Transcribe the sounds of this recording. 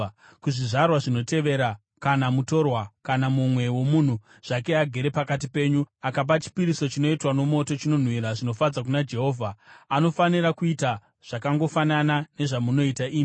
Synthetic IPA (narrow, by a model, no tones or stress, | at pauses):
kuʐiʐarwaʐino̞te̞ʋe̞ɾa | kanamuto̞rwakanamumwe̞wo̞mun̤u | ʐ̥ake̞aɡʱe̞ɾe̞pakat̬ipe̞ːɲuakap̬at͡ʃi̥piɾiso̞t͡ʃino̞itwano̞mo̞to̞t͡ʃino̞n̤wiɾaʐino̞fad͡zak̬unad͡ʒe̞ɦo̞ːvʱaːno̞faniɾakuita | ʐ̥akaŋɡo̞fananane̞ʐamuno̞itaʔiːmi